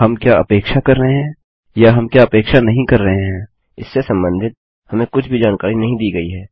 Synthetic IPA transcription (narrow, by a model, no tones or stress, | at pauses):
ɦɐmkjaɐpeːkʃakɐɾːəɦeɦɛ̃ː | jaɦɐmkjaɐpeːkʃanɐɦĩkɐɾːɐɦeɦɛ̃ː | ɪsːesɐ̃mbə̃nd̪ʱɪt̪̚ | hɐmẽkʊt͡ʃʰbʱid͡ʒaːnkaːɾinɐɦĩd̪iːɡɐiɦɛː